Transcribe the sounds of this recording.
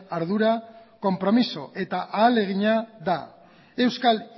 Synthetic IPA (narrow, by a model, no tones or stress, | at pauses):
aɾðuɾako̞mpɾo̞miso̞ʔe̞t̪aʔaːle̞ɣ̞iɲaða | e̞wskal